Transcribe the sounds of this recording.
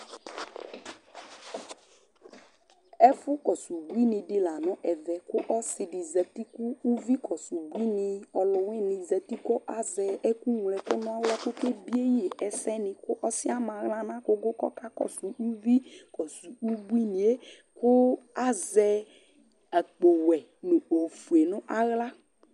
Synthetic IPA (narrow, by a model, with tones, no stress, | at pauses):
ɛ˦fʊ˦kɔ˨su˨bu˦i˦nɪ˨dɪ˨la˨nɔ̃˦ʔɛ˨vɛ˨kʊ˦ʔɔ˦sɪ˨dɪ˨zɛ˨ti˦kʊ˦u˦vi˦kʰɔ˨su˨bʷi˦nɪ˨ɔ˨lʊ˨wɪ˦nɪ̃˨zɛ˨ti˦kɔ˦ʔa˦zɛ˨ɛ˦ku˦ŋ˨lɛ˨kʊ˦nʊ̃˦a˦wlɛ˦kʊ˦ke˦bi˦e˦ji˦e˨ʔɛ˨sɛ˦nɪ̃˨kʊ˦ʔɔ˦sɪ˦a˦mã˨ɣla˦nã˦kʊ˦ɡʊ˦kɔ̰˦ka˦kɔ̰˨su˨u˦vi˦kɔ˨su˨u˦bu˦i˦nĩ˨e˦ | kʊ˦a˦zɛ˦ | a˨k͡po˨wɛ˨ | nʊ̃˨o˨fu˨e˨nʊ̃˦ʔa˦ɣla˦